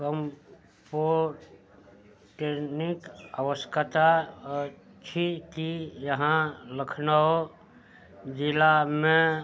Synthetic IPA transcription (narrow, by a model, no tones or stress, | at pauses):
kəm | po | ʈenikəʋəskʰət̪a | t͡ʃʰikijəɦãləkʰnaɦo | d͡ʒilamẽ